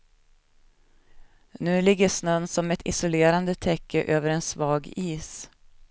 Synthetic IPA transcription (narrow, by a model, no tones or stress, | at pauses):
nʉ̟ːlɪɡːəsnœnsɔmɛt̪ʰɪ̰sʊleːɾand̪ət̪ʰɛkʰːəʔøːvəɾɛnsvɑːɡiːs